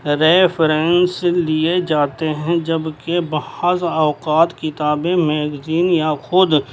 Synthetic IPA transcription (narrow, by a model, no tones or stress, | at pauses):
ɾepʰɾɛnslied͡ʒaːt̪eɦɛ̃d͡ʒɐbkebɐhəzɔːqaːt̪kɪt̪aːbemɛːɡziːnjaxʊd̪